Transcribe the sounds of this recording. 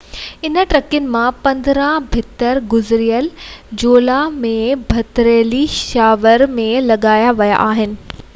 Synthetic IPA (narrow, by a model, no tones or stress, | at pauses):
ɪnəʈɾɐkɪnɪ̆mãpɐ̃nd̪ɾãbʱɪt̪əɾɡʊzɾijəld͡ʑoːlamẽbʱɐt̪ɾeːliʃaːʋəɾmẽlɐɠaːjaʋɐja̰ʔaːɦɪnɪ̆